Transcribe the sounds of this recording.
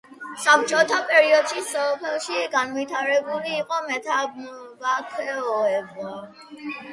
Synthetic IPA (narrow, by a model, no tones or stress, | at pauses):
sap̚ʰt͡ʃʼɔt̪ʰapʼɛɾiɔd̪̥ʃisɔpʰɛlˠʃiɡanvit̪ʰaɾɛbuliːqʼɔmɛt̪ʰavakʰwɛɔɛbɔ